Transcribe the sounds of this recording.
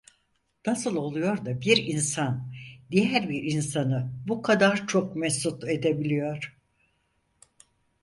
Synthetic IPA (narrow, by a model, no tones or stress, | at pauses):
nasɯlˠo̞lˠujo̞ɾd̪abiɾinsand̪ijæɾbiɾinsanɯbukʰad̪aɾt͡ʃʰok̚mɛsut̪e̞d̪e̞bilʲijo̞ɾ̥